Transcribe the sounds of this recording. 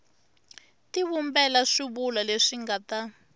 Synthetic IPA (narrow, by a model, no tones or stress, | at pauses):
tiβumbɛlaʂiβulaleʂiŋɡata